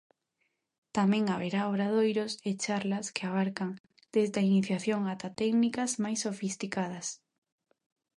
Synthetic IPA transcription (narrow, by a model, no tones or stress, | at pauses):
t̪amɛ̃ŋaβeɾaoɾað̞ojɾoset͡ʃaɾlɐskeaβ̞aɾkaŋ | d̪̥ezd̪ainiθjaθjoŋat̪at̪ɛɡnikɐzmajsːofist̪ikað̞ɐs